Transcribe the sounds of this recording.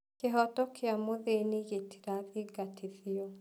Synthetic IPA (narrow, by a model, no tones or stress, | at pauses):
keɦɔtɔkʰeamoðeniɣeti̥ɾaðiɡatʰiðiɔ